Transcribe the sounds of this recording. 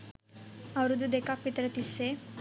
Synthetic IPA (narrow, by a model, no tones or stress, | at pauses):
awɾud̪ud̪ekak̚pit̪ɾət̪ise